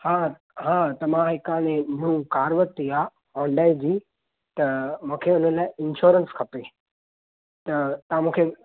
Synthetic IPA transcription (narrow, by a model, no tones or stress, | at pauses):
haː | ɦãːt̪ɐmãɦɪkaːɽ̃ẽmũkaːɾʋəɾt̪ːiaː | ɔ̃ːɳɖaːɪd͡ʑiː | t̪ɐmũːkʰeʊn̤ənɪlaːɪɪnʃoːɾənskʰɐpeː | t̪ɐt̪ɐãmũːkʰe